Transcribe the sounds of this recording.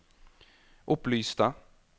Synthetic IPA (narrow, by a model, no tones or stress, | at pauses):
ʔɵpːlyːst̪a